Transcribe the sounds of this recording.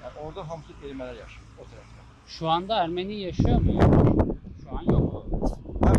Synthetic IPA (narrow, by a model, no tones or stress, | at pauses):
ʔoɾd̪aɦamsɯk̪eɾimelʲæɾjaʃa | ot̪ʰaɾaa | ʃuand̪aæɾmenijaʃɯjomujoaʃuanjokou